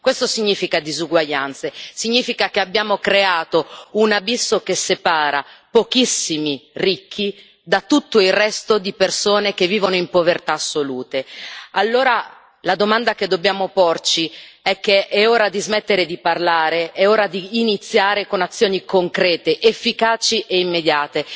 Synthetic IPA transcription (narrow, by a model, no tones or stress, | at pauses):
kwest̪osiɲːiːfikad̪izuɡwaʎːant̪sesiɲːiːfikakeabːjaːmokɾeaːt̪ounabisːokesːepaːɾapokisːimirikʰːi | d̪at̪ːut̪ːoilrɛst̪od̪ipersoːnekevːiːvonoimpovert̪asːoluːt̪ealːoːɾa | lad̪omand̪ak̟ed̪ːobjaːmoport͡ʃiɛk̟ːeɛoːɾad̪izmet̪ːeɾed̪iparlaːɾeɛoːɾad̪iːnit̪sːjaːɾekonat̪sːjoːnikoŋkɾɛːt̪eʔefːikaːt͡ʃiʔeimːed̪jaːt̪e